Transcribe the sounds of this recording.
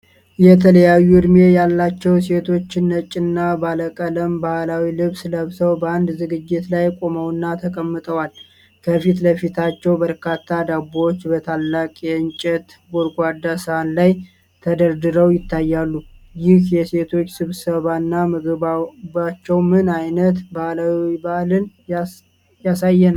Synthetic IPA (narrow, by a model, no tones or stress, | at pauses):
jɛt̪ʰələjajːuɨd̪me̞jalːat͡ʃːɛwse̞t̪ʰo̞t͡ʃːɪnːət͡ʃʼːɪnːabaləkʼələmbahlawilɨβsləβsəwbəand̪zɨɡɨd͡ʒːɪt̪lajkʼo̞məwɨnːat̪ʰəkʼəmːɨt̪ʼəwal | kʰəfit̪ləfit̪ʰat͡ʃːɛwbəɾkʰat̪ʰːad̪abot͡ʃːbət̪ʰalːakʼeɨnt͡ʃʼɛt̪ | boɾɡʼʷad̪asɨhanlaj | t̪ʰəd̪əɾd̪ɨɾəwjɪt̪ʰːajːalːujɪhjɛse̞t̪ʰo̞t͡ʃːsɨβsəβanːamɨɡɨabat͡ʃːɛwmɨnajnət̪bahlawibahlɨn | jasajːɛna